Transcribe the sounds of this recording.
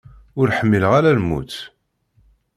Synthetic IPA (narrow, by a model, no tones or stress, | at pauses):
ʊɾħəmːiləʁaɾælmṵθ